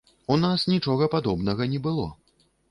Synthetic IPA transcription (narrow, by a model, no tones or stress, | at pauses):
unasnʲit͡ʂɔɣɐpad̪ɔbnɐɣɐnʲɛbɨlˠɔ̰